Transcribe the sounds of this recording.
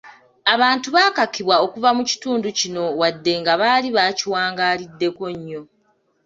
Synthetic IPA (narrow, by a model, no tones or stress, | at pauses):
aβaːntuβaːkakiβwao̞kuvamuci̥tuːnducino̞wadːe̞ŋɡaβaːliβaːciwaːŋɡaːlidːe̞ko̞ɲːo̞